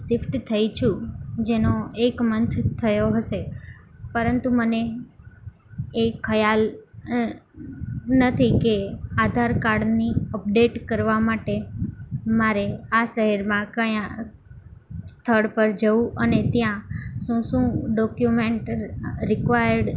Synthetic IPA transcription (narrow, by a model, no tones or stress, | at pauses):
sɪfʈt̪ʰəjt͡ʃʰũd͡ʒenoekmənt̪ʰt̪ʰəjoɦəʃepəɾənt̪uməne | kʰːəjal | nət̪ʰikead̪ʱaɾkaɾɖniəp̚ɖeʈkəɾʋamaʈe | maɾeaʃəɦɛɾmãkəjã | st̪ʰəɽpəɾd͡ʒəũʔənet̪jãʃũʃũɖɔkjumeɳʈɾɪkʋajəɾɖ